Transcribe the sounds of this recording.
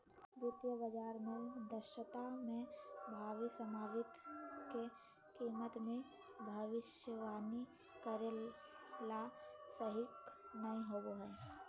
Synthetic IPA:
bɾʊt̪ʋəbəd͡ʒaːɾmed̪əʃət̪amẽbʱaːʋɪksəmaːʋɪt̪ke | kiːmət̪mẽ | bʱɐʋɪʃjəʋaːni | kəɾe | lasəɦɪknɐĩɦoɡoɦɛː

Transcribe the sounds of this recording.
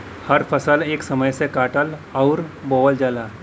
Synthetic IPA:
hɐɾpʰəsəleːksɐməjsekaːʈəlɔʊɾboːəld͡ʒaːlaː

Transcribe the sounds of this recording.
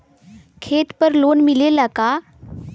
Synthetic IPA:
kʰet̪pəɾlonmilelaka

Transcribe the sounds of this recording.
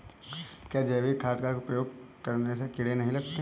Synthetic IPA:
kjaːd͡ʒɛːʋikʰaːt̪kakopɾəjoːɡ̚ | kəɾnesekɪɽenɐɦĩlɐɡt̪e

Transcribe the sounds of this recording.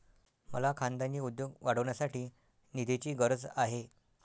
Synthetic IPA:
mə̰lakʰand̪aɲiːud̪joɡʋaɽ̤əʋɳjasaʈiː | nid̪ʱet͡ɕiːɡəɾəd͡zaɦe

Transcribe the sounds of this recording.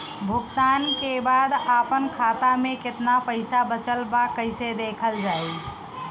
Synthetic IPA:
bʱuɡt̪ankebad̪apənkʰat̪ameket̪napəɪsabət͡ʃəlbakːəɪsed̪ekʰəld͡ʒaj

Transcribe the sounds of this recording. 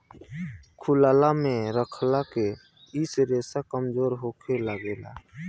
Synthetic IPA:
kʰʊlaːlamẽɾəkʰlake | isɾeːsakəmd͡ʒoːɾɦoːkʰelaɡeːla̰ː

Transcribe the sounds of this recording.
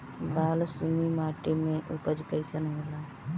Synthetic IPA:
baːlsumimaːʈemẽʔupəd͡ʒkəjsənɦoːlaː

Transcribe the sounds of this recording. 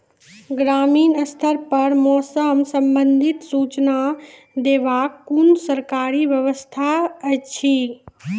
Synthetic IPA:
ɡɾaːmiːnəst̪ʰəɾpɐɾmɔːsəmsəmbənd̪ʱit̪suːt͡ʃna | d̪eːʋaːkːunsəɾkaːɾiʋjəʋəst̪ʰaət͡ʃʰi

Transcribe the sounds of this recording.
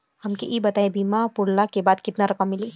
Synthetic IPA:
hɐmkeʔibɐt̪aːebiːmapʊɽlakebaːd̪kɪt̪naɾɐkəmːɪliː

